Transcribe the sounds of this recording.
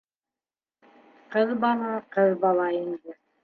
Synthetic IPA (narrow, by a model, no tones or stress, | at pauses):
qɤðbɑlˠɑqɤðbɑlˠɑind̪ɘ